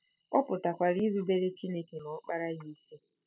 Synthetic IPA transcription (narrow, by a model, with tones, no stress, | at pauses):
ɔ˦pʊ˨ta˨kʷa˨ɾi˦zu˦be˦ɾe˦t͡ʃi˦ne˦ke˨nɔ˨˦k͡pa˦ɾa˦ɣi˦si˦